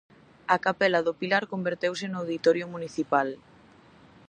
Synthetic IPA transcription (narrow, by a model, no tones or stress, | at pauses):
akapɛlaðʊpilaɾkombeɾt̪ewsenːwðit̪ɔɾjʊmuniθipal